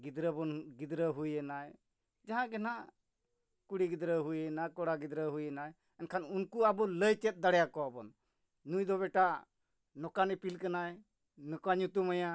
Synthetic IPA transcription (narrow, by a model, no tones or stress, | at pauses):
ɡid̪ɾəbɔnɡid̪ɾəɦujɛnaj | d͡ʒaɦãɡɛna | kuɽiɡid̪ɾəɦujɛnakɔɽaɡid̪ɾəɦujɛnaj | ɛnkʰanunkuabɔləjt͡ʃɛt̪̚d̪aɽɛjakɔabɔnː | ujd̪ɔβɛʈa | nɔkanipilkanaɛ | nɔkaɲut̪umaja